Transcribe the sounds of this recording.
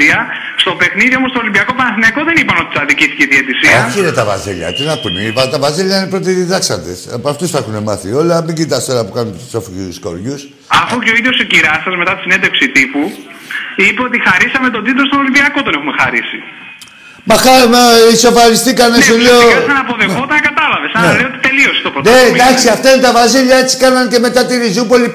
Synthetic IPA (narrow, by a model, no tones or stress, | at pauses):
iɐ | st̪o̞pe̞xniðiomost̪olimbiɐkopɐnɐθiniɐko̞ðe̞nipɐno̞t̪i̥t̪ɐðiciθi̥cet̪iet̪isiɐçiɾet̪ɐvɐ̰ziʎɐ̰t̪inɐpunepɐt̪ɐvɐziʎɐinepɾot̪iðiðɐksɐd̪ḛspɐft̪usθɐexune̞mɐθio̞lɐmiɲɟit̪ɐst̪o̞lɐpukɐnunu̥sofiusko̞̰ɾʝus | ɐfuceoiðʝo̞sociɾɐsɐzme̞t̪ɐt̪i̥sinend̪efksit̪ipu | ipeot̪ixɐɾisɐme̞t̪o̞d̪it̪ɾost̪onolimbiɐkot̪o̞nexume̞xɐɾisi | mɐxɐiso̞fɐɾist̪ikɐnesuleosɐnɐpoðexot̪ɐnɐkɐt̪ɐlɐve̞sɐnlejot̪it̪e̞lio̞se̥t̪opɾoned̪ɐksiɐft̪ɐinet̪ɐvɐsiʎɐe̞t͡si̥kɐnɐnce̞me̞t̪ɐt̪iɾizupo̞li